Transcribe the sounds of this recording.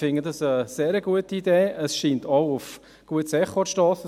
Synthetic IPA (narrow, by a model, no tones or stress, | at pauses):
fɪŋədɑsəseːɾəɡuətiideːəsʃiːntʰɔʊʊf | ɡ̥uətsɛχɔʃtɑːsə